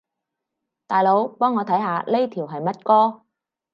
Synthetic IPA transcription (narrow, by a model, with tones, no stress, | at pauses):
t̪aː˨jlo˨˥wpɔː˥ŋːɔː˨˧t̪ʰɐ˨˥jɦaː˨˧le˥jt̪ʰiː˨˩wɦɐ˨jmɐ˥t̚kɔː˥